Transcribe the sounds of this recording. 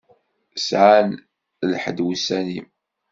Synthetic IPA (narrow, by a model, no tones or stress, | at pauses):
sʕan | lħəd̪wisːænim